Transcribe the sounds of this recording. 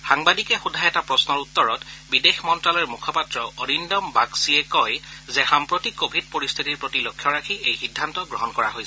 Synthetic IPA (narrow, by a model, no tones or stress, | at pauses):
xaŋbadikɛxudʱajɛtapɹɔsnɔɹutːɔɹɔtbidexmɔntɹalɔɹmukʰɔpatɹɔɔɹindɔmbaksiɛkɔjzɛxampɹotikːobʱid̚poɹist̪ʰitiɹpɹotilokʰːjɔɹakʰiejxidʱːantɔɡɹɔɦɔnkɔɹa̰ɦojs